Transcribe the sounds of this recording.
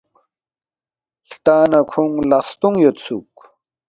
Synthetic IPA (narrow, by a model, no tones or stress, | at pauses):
kt̪aːnɐkʰuŋlast̪uŋjot̪sʰuk